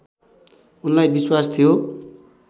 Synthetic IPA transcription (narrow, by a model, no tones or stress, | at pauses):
unlajbiswast̪ʰijo